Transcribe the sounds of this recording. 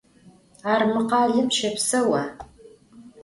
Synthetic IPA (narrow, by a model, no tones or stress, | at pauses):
aːrmɨqɑːɮɨpʰʃɐpʰsɐwa